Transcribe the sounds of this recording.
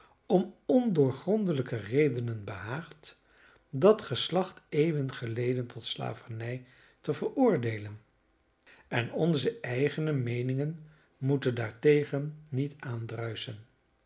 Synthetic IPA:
ɔmɔndʊːɹχrɔndələkərejdənənbəɦaːχt | dɑtχəslɑχtejvənχəlejdəntʰɔtsla̰ːvənɛj | təvəɹʊːɹdejlən | ɛnɔnzəʔɛjχənəmejnɪŋən | mutəndaːɹtejχənnitaːndrœɥsən

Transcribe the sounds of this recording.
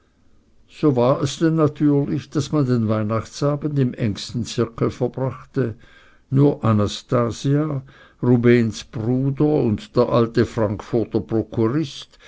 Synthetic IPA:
z̥oːvaːɐɛsd̥ɛnːatʰyːɐlɪçd̥asmandenvaɪnaχt͡saːbən̩dɪmʔɛ̰ŋstn̩t͡sɪɐkl̩fɛɐbʁaχtə | nuːɐʔanastaːzia | ʁubeːnsb̥ʁuːdəʊntd̥eːɐʔaltəfʁ̥aŋkfʊɐtɐpʁokʰuʁɪst

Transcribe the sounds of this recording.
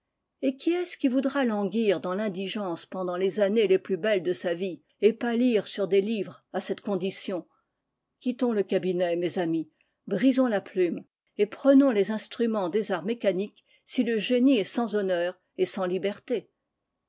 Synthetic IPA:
ekʲiɛskʲivud̪ʁalɑ̃ɡʲiʁd̪ɑ̃lɛ̃d̪iʒɑ̃spɑ̃d̪ɑ̃lezaneleplybɛld̪əsavi | epaliʁsyʁd̪elivʁasɛt̪kɔ̃d̪isjɔ̃ | kʲit̪ɔ̃ləkabinɛmezami | bʁizɔ̃laplym | epχənɔ̃lezɛ̃st̪χymɑ̃d̪ezaʁmekanik | siləʒeniɛsɑ̃zɔnœːʁ | esɑ̃libɛʁt̪e

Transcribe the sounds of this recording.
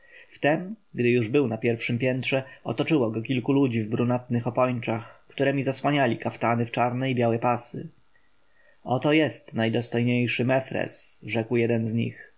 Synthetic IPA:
ft̪ɛmɡd̪ɘjuʐbɘwnapʲjɛɾfʂɘmpʲjɛnt̪ʂɛɔ̰t̪ɔt͡ʂɘwɔɡɔkʲilkulud͡ʑivbɾunat̪nɘxɔpɔɲt͡ʂaxkt̪uɾɛmʲizaswaɲalʲikaft̪anɘft͡ʂaɾnɛibʲjawɛpasɘ̰ | ɔt̪ɔjɛst̪najd̪ɔst̪ɔjɲejʂɘmɛfɾɛ̰sʐɛkwjɛd̪ɛnzɲḭx

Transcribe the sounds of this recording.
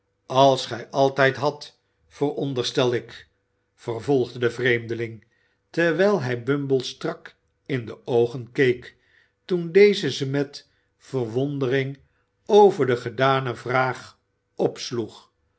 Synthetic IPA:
ɑlˠsχɛjʔɑlˠtɛjtɦɑt | fərɔndərstɛlˠɪk | fərvɔlˠχdədəvrejmdəlɪŋ | təʁʋɛjlˠɦɛjbɵmbəlˠstrɑk | ɪndəowχənkejk | tundejzəzəmɛt | fərʋɔndərɪŋ | owvəɹdəχədaːnəvraːχ | ɔpsluχ

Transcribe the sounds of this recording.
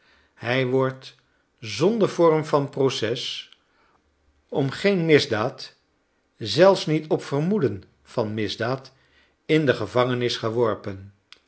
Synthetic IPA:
hɛjʋɔɹt | zɔndəɹvɔrmvɑnprosɛs | ɔmχejnmɪzdaːt | zɛlˠfsnitɔpfərmudən | v̥ɑnmɪzdaːt | ɪndəχəvɑŋənɪsχəʋɔɹpən

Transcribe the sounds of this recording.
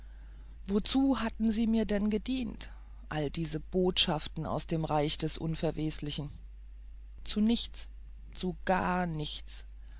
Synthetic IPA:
vot͡suːɦatn̩ziːmiːɐdɛnɡədiːnt | ʔaldiːzəb̥oːtʃaftn̩a̰ʊsd̥eːmʁaɪçd̥ɛsʔʊ̰nfɛɐvɛːslɪçn̩ | t͡sunɪçt͡s | t͡suɡ̥aːɐnɪçt͡s

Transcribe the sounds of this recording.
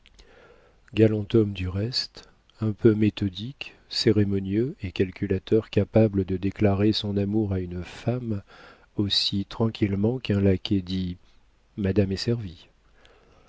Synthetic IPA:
ɡalɑ̃t̪ɔmd̪yʁɛst̪ | ɛ̃pømet̪ɔd̪ik | seʁemɔnjøekalkʲʰylat̪œʁkapabləd̪əd̪eklaʁesɔ̃namuʁaynfam | osit̪χɑ̃kʲʰilmɑ̃kɛ̃laked̪i | mad̪amesɛʁvi

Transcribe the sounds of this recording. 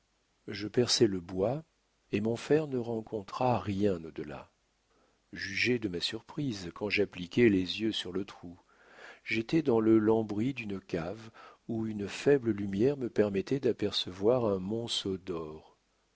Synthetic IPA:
ʒəpɛʁsɛləbwa | emɔ̃fɛʁnəʁɑ̃kʰɔ̃t̪χaʁjɛ̃nod̪əla̰ | ʒyʒed̪əmasyʁpχizkɑ̃ʒaplikʲɛlezjøsyʁlət̪χu | ʒet̪ɛd̪ɑ̃ləlɑ̃bʁid̪ynəkʲavuynfɛbləlymjɛʁməpɛʁmɛt̪ɛd̪apɛʁsəvwaʁɛ̃mɔ̃sod̪ɔʁ

